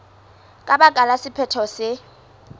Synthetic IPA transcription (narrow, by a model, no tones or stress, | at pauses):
kʼaɓakʼalasɪpʰɛtʰɔsɪ